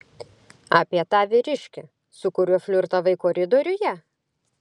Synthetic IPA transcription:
ɑːpʲiɛt̪ɑːʋʲɪɾʲɪʃʲkʲɛ | sʊkʊɾʲʊfʲlʲʊɾt̪ɐʋɐɪkoːɾʲɪd̪oːɾʲʊjɛ

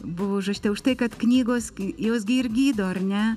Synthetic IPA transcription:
bʊʋoːʒot͡ʃʲt̪ʲɛʊʃt̪ɐɪkɐt̪knʲiːɡoːsjoːsɡʲɪɪrɡʲiːd̪oːɐrnʲɛ

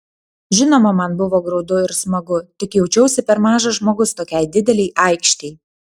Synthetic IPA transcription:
ʒʲɪnoːmɐmɐnbʊʋoːɡɾɒʊd̪ʊɪɾsmɐɡʊt̪ʲɪkjɛʊt͡ʃʲɛʊsʲɪpʲɛɾmɑːʒɐʒmoːɡʊst̪oːkʲɛɪd̪ʲɪd̪ʲɛlʲɛɪʔɐɪkʃʲt̪ʲɛɪ

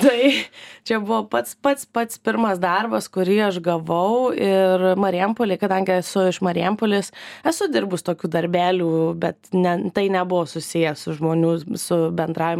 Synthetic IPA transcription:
t̪ɐɪt͡ʃʲɛbʊʋoːpɐt̪spɐt̪spɐt̪spʲɪɾmɐsd̪ɐrbɐskʊɾʲiːɐʃɡɐʋɐʊɪrmɐɾʲɪɛmpoːlʲeːkɐd̪ɐŋʲɡʲɪɛsʊɪʃmɐɾʲɪɛmpoːlʲɪsɛsʊd̪ʲɪrbʊst̪oːkʲuːd̪ɐɾʲbʲæːlʲuːbʲɛt̪nʲɛt̪ɐɪnʲɛbʊʋoːsʊsʲɪjɛsʊʒmoːnʲuːsʊbʲɛnd̪ɾɑːʋʲɪm

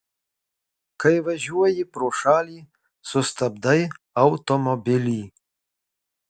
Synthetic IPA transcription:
kʰɐjvɐʒuwɐjipɾoʂaːli | sust̪ʰɐb̚d̪aj | awt̪omɔbili

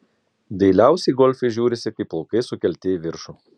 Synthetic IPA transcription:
d̪ʲɛɪlʲæˑʊsʲɛɪɡɔlʲfʲɛɪʒʲuːɾʲɪsʲɪkɐɪpːlˠɔːkɐɪsʊkʲɛlʲt̪ʲeːʋʲɪɾʃuː

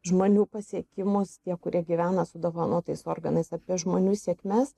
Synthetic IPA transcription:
ʒmoːnʲuːpɐsʲiɛkʲɪmʊst̪ʲiɛkʊɾʲiɛɡʲiʋʲæːnɐsʊd̪oːʋɐnoːt̪ɐɪsoːrɡɐnɐɪsɐpʲiɛʒmoːnʲuːsʲiɛkmʲɛs

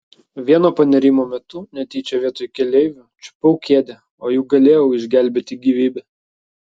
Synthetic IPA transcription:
ʋʲiɛnoːpɐnʲɛɾʲiːmoːmʲɛt̪ʊnʲɛt̪ʲɛɪt͡ʃʲɛʋʲiɛt̪oːjkʲɛlʲɛɪʋʲʊt͡ʃʲʊ̥pɐʊkʲeɛd̪ʲɛ | oːjɛʊɡɐlʲeːjɛʊɪʒʲɡʲæˑlʲbʲeːt̪ʲɪɡʲiːʋʲiːbʲɛ

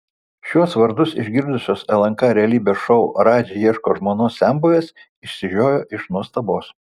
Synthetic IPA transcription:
ʃʲuɔsʋɐɾd̪ʊsɪ̰ʒʲɡʲɪɾd̪ʊsʲoːsɛlˠɐŋkɑɾʲɛlʲiːbʲeːsʃɔʊɾɑːd͡ʒʲejiɛʃkoːʒmoːnoːssʲæˑmbuʋʲeːs | ɪʃʲsʲɪʒʲoːjoːʔɪʃnuɔst̪ɐboːs

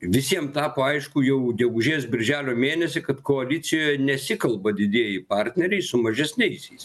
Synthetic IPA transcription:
ʋʲɪsʲiɛmt̪ɑːpoːɐɪʃkʊjɛʊɡʲɛɡʊʒʲeːsbʲɪɾʲʒʲæːlʲoːmʲeːnʲɛsʲɪkɐt̪koːɐlʲɪt͡s̪ʲɪjoːjɛnʲɛsʲɪkɐlˠbɐd̪ʲɪd̪ʲeːjɪpɑɾʲt̪ʲnʲɛɾʲɛɪsʊmɐʒʲɛsʲnʲɛɪsʲɛɪs

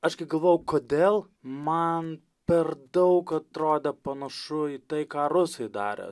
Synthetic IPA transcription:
ɐʃkɐɪɡɐlˠʋoːjɛʊkoːd̪ʲeːlˠ | mɐn | pʲɛrd̪ɐʊkɐt̪ɾoːd̪ʲɛpɐnɐʃʊit̪ɐɪkɑːɾʊsɐɪd̪ɑ̰ːɾʲḛ

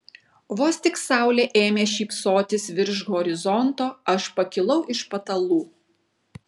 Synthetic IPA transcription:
ʋoːsʲt̪ʲɪksɑˑʊlʲeːʔeːmʲeːʃʲiːpsoːt̪ʲɪsʋʲɪɾʒɡɔːɾʲɪzɔnt̪oːɐʃpɐkʲɪlˠɐʊʔɪʃpɐt̪ɐlˠuː

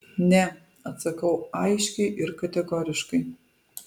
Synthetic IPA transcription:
nʲɛ | ɐt̪sɐkɐwajʃʲkʲɛʔɪrkɐt̪ʲɛɡɔːɾʲɪʃkɐj

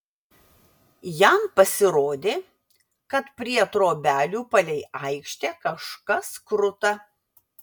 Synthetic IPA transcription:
jæmpɐsʲɪɾoːd̪ʲeː | kɐt̪pʲɾʲiɛɐt̪ɾoːbʲæːlʲuːpɐlʲɛɪɐɪkʃʲt̪ʲeːkɐʃkɐskɾʊt̪ɐ

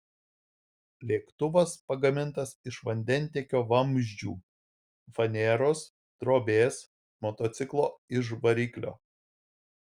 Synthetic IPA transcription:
lʲeːkt̪ʊʋɐspɐɡɐmʲɪnt̪ɐsɪʃʋɐnʲd̪ʲɛnʲˑt̪ʲeɛkʲoːʋɐmʲʒʲd͡ʒʲṵː | fɐnʲɛːɾos | d̪̥ɾoːbʲeːs | mɔt̪ɔt̪sʲɪklˠoːɪʒʋɐɾʲiːklʲo̰ː

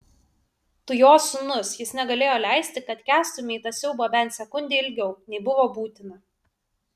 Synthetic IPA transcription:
t̪ʊjoːsʊnʊsjɪsnʲɛɡɐlʲeːjoːlʲɛˑɪsʲt̪ʲɪkɐt̪kʲæːst̪ʊmʲeːt̪ɐsʲɛʊboːbʲɛnʲt̪sʲɛkʊnʲd̪ʲeːɪlʲɡʲɛʊnʲɛɪbʊʋoːbuːt̪ʲɪnɐ

